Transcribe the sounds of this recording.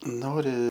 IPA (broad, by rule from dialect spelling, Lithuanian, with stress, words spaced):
ˈnoːrʲɪ